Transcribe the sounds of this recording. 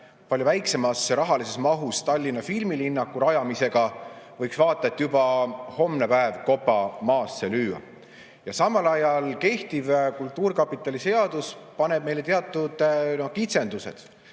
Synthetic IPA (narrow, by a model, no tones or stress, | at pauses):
pɑlʲjovæjkse̞mɑsɾɑɦɑlise̞smɑɦust̪ɑlʲːinːɑfilmilinːɑkːˑuɾɑjɑmise̞ɡ̥ɑvɤjksvɑːt̪ːˑɑet̪ːjubɑho̞mnepæevko̞pːɑmɑːsːelyːwɑ̰ | jɑsɑmːɑlɑjɑlke̞ht̪ivkult̪ːuːɾkɑpːˑit̪ːˑɑlise̞ɑd̪̥uspɑne̞b̥̚me̞jle̞t̪eɑt̪ːˑud̪̥nohkit̪se̞nd̪̥used̪̥